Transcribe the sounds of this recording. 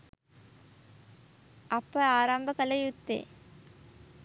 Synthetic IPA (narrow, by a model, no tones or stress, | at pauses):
ʔɐpːɐaːɾambɐkɐlɐjut̪ːḛː